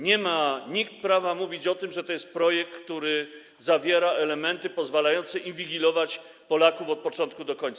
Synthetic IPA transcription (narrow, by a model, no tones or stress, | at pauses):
ɲɛmaɲikt̪̚pɾavamuvʲit͡ɕɔt̪ɘmʐɛt̪ɔjɛst̪̚pɾɔjɛk̚ːt̪uɾɘ | zavʲjɛɾaʔɛlɛmɛnt̪ɘpɔzvalajɔnt̪sɛʔinvʲiɡʲilɔvat͡ɕ | pɔlakufɔt̪̚pɔt͡ʂɔnt̪kud̪ɔkɔɲt̪sa